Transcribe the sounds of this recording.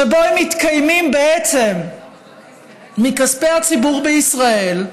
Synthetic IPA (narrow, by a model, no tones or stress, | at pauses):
eboemit̪kajmimbeet͡se̞m | ikaspehat͡sibuʁbeisʁae̞l